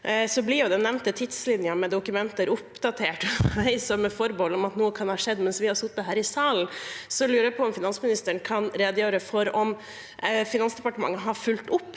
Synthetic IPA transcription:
sɔblɪɾjʊd̪ɛnɛʋnt̪ət̪ʰɪd̪slɪnɪɑmɛd̪ʊkʉmɛnt̪əɾʊpd̪ɑt̪ʰeːʈʋæɪsɔməfɔɾbɔlɔmɑt̪nuːəkʰɑnhɑːʂɛd̪ːmɛnsʋɪhɑɾsʊt̪ːəɦæːɾɪsɑːln̩sɔlʉːɾəpʰɔɔmfɪnɑnsmɪnɪst̪əɳkʰɑnɾeːd̪jøːɾəfɔɾɔm | fɪnɑnsd̪ɛpɑʈəmɑ̰ŋːəɦɑɾfʉlt̪ʊpː

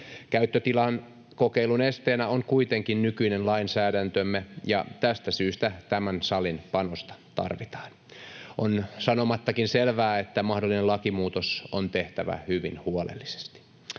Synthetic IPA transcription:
kæyt̪ːøt̪ilɑn | kokeilunest̪eːnæoŋkuit̪eŋkinnykyinenlɑinsæːɾænt̪ømːejɑ̰t̪æst̪æsyːst̪æt̪æmænsɑlinpɑnost̪ɑ̥t̪ɑ̰rʋit̪ɑ̥ːn | onsɑnomɑt̪ːɑkinselʋæːet̪ːæmɑhdolːˑinelɑkimuːt̪osont̪eht̪æʋæ̰hyʋinhuolḛlːise̥st̪i̥

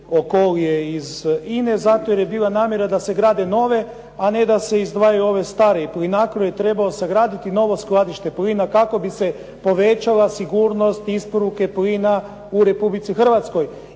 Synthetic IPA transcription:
okolijeizine̞zat̪ojeɾjebiːlˠanaːmje̞ɾad̪ase̞ɡɾaːd̪eno̞ʋe̞ | ane̞d̪ase̞izd̪ʋaːjajuo̞ʋe̞st̪aːɾeiplinakɾojet̪ɾe̞baoseɡɾaːd̪it̪ino̞ʋo̞sklˠad̪iʃt̪e̞pliːnakako̞bise̞ | po̞ʋe̞t͡ʃalˠasiɡuːɾno̞st̪ispo̞ɾuke̞pliːna | uɾe̞publit̪sixr̩ʋat̪sko̞j

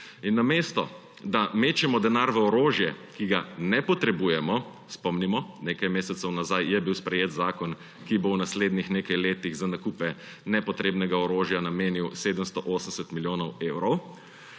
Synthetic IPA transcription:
inːameːst̪ɔ | d̪ameːt͡ʃɛmɔd̪ɛnaɾʋɛɔɾoːʒjɛkiɡanɛpɔt̪ɾɛbuːjɛmɔ | spɔmnimɔneːkajmeːsɛt̪sɛwnazajjɛbiwspɾɛjeːt̪zaːkɔn | kibownasleːd̪nixneːkajleːt̪iɣzanakuːpɛ | nɛpɔt̪ɾeːbnɛɡaɔɾoːʒjanameːniwseːd̪əmst̪ɔʔoːsəm̩sɛt̪miljoːnɔweːwɾɔw

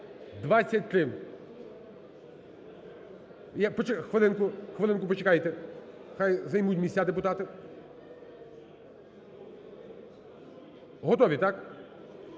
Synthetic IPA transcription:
d̪ʋat͡sʲːɐt̚ʲt̪ɾɪw | japɔt͡ʃexʋelˠɪnkʊxʋelˠɪnkʊpɔt͡ʃekɑjt̪ɛ | xajzɐjmutʲmʲisʲad̪epʊt̪ɑt̪ɪ | ɦɔt̪ɔʋʲit̪ɑk

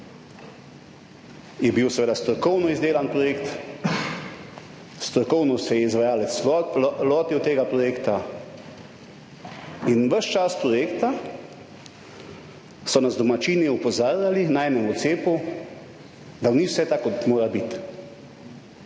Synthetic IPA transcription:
jɛbiwsʋeːd̪ast̪ɾɔkɔwnɔizd̪eːlanpɾɔjeːkt̪ | st̪ɾɔkɔwnɔsɛjɛizʋajaːlɛt̪slɔːt̪iwt̪eːɡapɾɔjeːkt̪a | inʋəʃt͡ʃaspɾɔjeːkt̪a | sɔnazd̪ɔmat͡ʃiniupɔzaːɾjalinaɛːnɛmɔt̪seːpu | d̪aniwsɛt̪akɔt̪moːɾabit̪

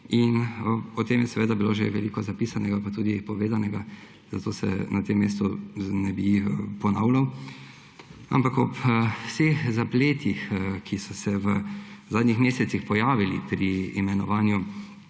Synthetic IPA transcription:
inɔt̪eːmjɛsɛʋeːd̪abiloːʒḛʋɛlikɔzapiːsanɛɡapat̪uːd̪ipɔʋeːzanɛɡa | z̥at̪oːsɛ̰nʔat̪emːeːst̪unɛbipɔnawlaw | a̰mpakɔpsexzapleːt̪ixkʰisɔsɛʋəzaːd̪nixmeːsɛt̪sixpɔjaːʋilḭpɾiːmɛnɔʋaːnju

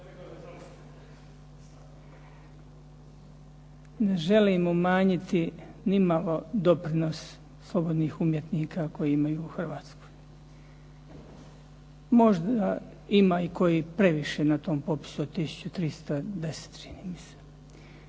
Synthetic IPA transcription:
ne̞ʒe̞liːmumaːɲit̪inimalod̪o̞pɾino̞s | slˠo̞bo̞d̪niːxumje̞t̪niːkʰako̞jiimajuːxr̩ʋaːt̪sko̥j | mo̞ʒd̪a | imaːikʰo̞jiːpɾe̞ʋiʃe̞nat̪o̞ːmpo̞pi̥suot̪ːisu̥t͡ɕut̪ɾist̪ad̪e̞se̥t̪t͡ʃiniːmise̥

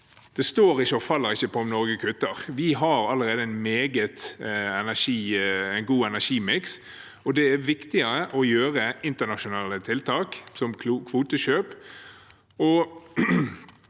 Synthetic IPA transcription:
d̪̥ɛst̪oːɾɪçːəɔfɑlːəɾɪçːəpʰɔɔmnɔɾɡəkʰʉt̪ːəʁʋɪɦɑɾɑlːəɾeːd̪əɪnmeːɡət̪ɛnæʂiːæɪnɡuːɛnæʂiːmɪks | ɔd̪ɛæʋɪkt̪ɪəɾəʔɔjøːɾəɪnt̪ənɑʃʊnɑːlːət̪ʰɪlt̪ʰɑːksɔmkʰːkʰʋuːt̪əʃøːp | ɔ

